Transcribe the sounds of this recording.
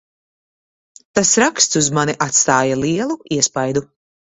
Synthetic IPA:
t̪asɾakst̪suzmaniʔat̪st̪aːjaliɛlˠuiɛspajd̪u

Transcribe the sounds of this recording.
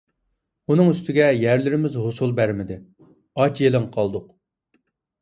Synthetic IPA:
unɨŋyst̪ʰɪɡʲɛjæɾlɪɾɪmɪzɦosulˠbæɾmɪd̪ɪ | ɑt͡ʃjelɪŋqʰɑlˠd̪ʊq

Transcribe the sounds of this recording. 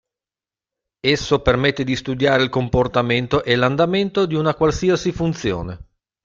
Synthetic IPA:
esːopermet̪ːed̪ist̪ud̪jaːɾeilkomport̪ament̪oʔɛland̪ament̪od̪iunakwalsiasifunt̪sjo̰ːne

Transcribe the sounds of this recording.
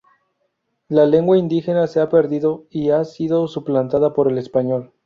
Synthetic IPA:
lale̞ŋɡwaind̪ixe̞nase̞ape̞ɾðiðo̞iasiðo̞suplant̪aðapo̞ɾe̞le̞spaɲo̞l

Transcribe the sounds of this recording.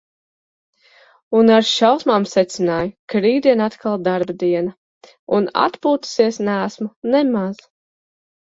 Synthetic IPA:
unaɾʃawsmaːmsɛt̪sɪnaːjukɾiːd̪iɛnat̪kʰalˠd̪aɾbd̪iɛnɐ | una̰t̪puːt̪u̥siɛsnæːsmunɛmaz̥

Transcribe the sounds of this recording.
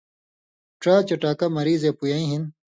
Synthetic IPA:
ʈɾaːt͡ɕɐʈaːkɐmɐɾiːzepujɐːĩɦin

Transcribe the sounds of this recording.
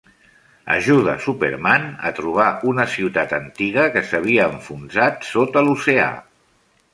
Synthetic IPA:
ə̰ʒuð̞ə̰supḛɾmanə̰t̪ɾuβ̞aʔunəsiwt̪at̪ənt̪iɣəkəsəβ̞iəːɱfunzat̪sot̪əlusea̰

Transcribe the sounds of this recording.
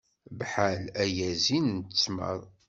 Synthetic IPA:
bħalæjæzinnt̪t͡sːmə̰ɾˤ

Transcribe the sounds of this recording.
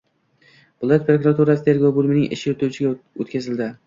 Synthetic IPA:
vʊlˠjat̪pɾokʊɾat̪ʰuɾasɪt̪ʰe̞ɾɡowbʊlˠmɪnɪŋʔɪ̰ʃɪjot̪ʰuwt͡ʃʰɪɡʲao̰t̪kʲazɪld̪ɪ

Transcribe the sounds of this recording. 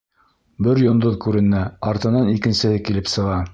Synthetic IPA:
bɘɾjŏnd̪oðkʉɾɘ̆næɑɾt̪ɤ̆nɑnikɘ̆nsɘ̆hɘkilɘpsɤ̆ʁɑ

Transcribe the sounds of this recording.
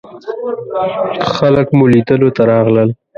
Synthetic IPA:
xaləkmulid̪əlot̪aɾɑɣləl

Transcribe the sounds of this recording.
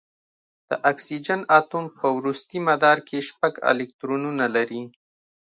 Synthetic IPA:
d̪̥əʔaksid͡ʒanɑt̪umpəwɾust̪imad̪ɑɾkʰeʃpaɡɪ̰lɪk̚t̪ɾonunalaɾi

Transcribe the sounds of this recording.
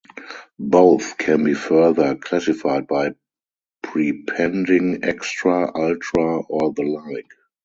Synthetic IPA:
boʊθkʰɛ̃nbiːfɜ˞ðə˞kʰlæsɪfaɪd̚baɪ | pʰɹipʰɛ̃ndɪ̃ŋɛ̰kstɹaʔaltʰɹaɔðəlaɪk

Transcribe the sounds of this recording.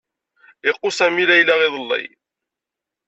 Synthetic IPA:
ɪqːʊsæmilæjlæʁɪðˤəlːḭj

